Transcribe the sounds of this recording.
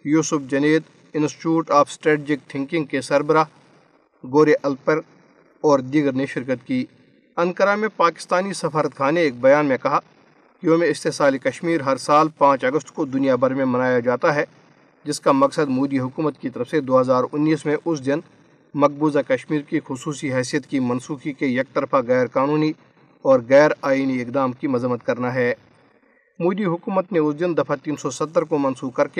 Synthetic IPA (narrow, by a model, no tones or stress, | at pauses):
juːsʊfd͡ʒɐneːt̪ | ɪ̃nsʈɪʈuːʈaːfʰsʈɾɛːʈːd͡ʒɪk̚ʈʰɪ̃ŋkɪ̃ŋɡ̚kesɐɾbəɾa | ɡoːɾeʔɐlpəɾ | ɔːɾd̪iɡəɾneʃɪɾk̬ət̪kiː | ɐ̃ŋkəɾamẽpaːkɪ̥st̪aːnisɐfaːɾət̪̚kʰaːneeːk̚bɐjaːnmẽkɐɦa | kiomẽɪst̪eɦsaːlikɐʃmiːɾɦɐɾsaːlpãːt͡ʃɐɡəst̪kod̪ʊnijabɐɾmẽmɐnaːjad͡ʒaːt̪aɦɛ | d͡ʒɪskamɐksəd̪muːd̪iɦʊkuːmət̪kit̪ɐɾəfsed̪oːɦɐzaːɾʊnːiːsmẽʔʊs̬d̪ɪn | mɐk̚buːzakɐʃmiːɾkixʊsuːsiɦɛːsijət̪kimɐnsuːkikejɐk̚t̪ɐɾfaɣɛːɾkaːnuːni | ɔːɾɣɛːɾaːiːniɪkd̪aːmkimɐzəmːət̪̚kɐɾnaɦɛː | muːd̪iɦʊkuːmət̪neʊsd̪ɪnd̪ɐfʰat̪iːnsɔsɐt̪ːəɾkomɐnsuːkɐɾke